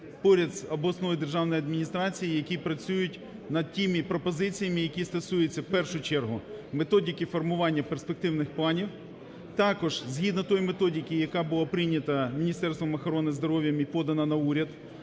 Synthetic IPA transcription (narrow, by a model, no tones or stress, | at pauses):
pɔɾʲɐd̪sʲɐblɔsnɔd̪e̞rʒɑwnɔjɐd̪̚mʲinʲist̪ɾɑt͡sʲijijɐkʲipɾɐt͡sʲujʊtʲ | nɐd̪̚tʲimipɾɔpɔzɪt͡sʲijɐmɪjɐkʲist̪ɐsujet͡sʲːɐwpɛrʃʊt͡ʃɛrɦʊme̞t̪ɔdʲikifɔrmʊʋɑnʲːɐperspek̚t̪ɪwnɪxplˠɑnʲiw | t̪ɑkɔʒ̥zɦʲid̪nɐt̪ɔjmet̪ɔdʲikɪjɐkɑbʊlˠapɾɪnʲɐt̪ɐmʲinʲist̪ɛrst̪ʋɐmɐxɔɾɔnɪzd̪ɔɾɔʋʲjɐmipɔd̪ɐnɐnɐuɾʲɐd̪